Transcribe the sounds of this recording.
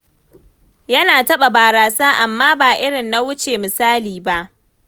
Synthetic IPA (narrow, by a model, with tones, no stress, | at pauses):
jɐ˦naː˨tɐ˦ɓa˨baː˨ɾaː˨saː˦ʔa˨mːaː˦baː˨ʔɪ˦ɽɪ˨nːa˦wʊ˦t͡ʃeː˨mɪ˨saː˦liː˨ba˦ʔ